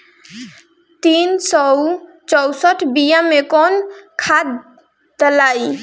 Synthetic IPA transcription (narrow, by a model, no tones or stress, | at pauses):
t̪insɔw | t͡ʃɔwsɔʈʰbijamekɔnkʰad̪ | d̪əlaj